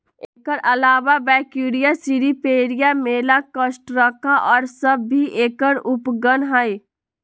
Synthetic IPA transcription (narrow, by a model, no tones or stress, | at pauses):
eːkəɾʔɐlaːʋabɛːkuːɾijasiɾipeːɾijameːlakəsʈɾəkʰaʔɔːɾsəbːʱiʔeːkəɾʊpɡənɦəj